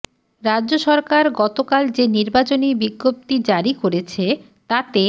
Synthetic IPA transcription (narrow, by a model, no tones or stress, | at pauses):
ɾadːʑoʃɔɾkaɾɡɔt̪okald͡ʑeniɾbat͡ɕonibiɡːop̚t̪id͡ʑaɾikoɾet͡ɕʰe | t̪at̪e